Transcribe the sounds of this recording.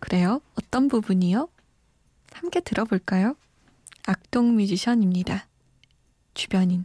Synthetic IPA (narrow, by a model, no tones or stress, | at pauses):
kɯɾe̞joʌt͈ʌnbubuɲijo | hamk͈e̞tɯɾʌboɭk͈ajo | ak̚t͈oŋmid͡ʑiɕʰʌɲimɲida | t͡ɕubjʌɲin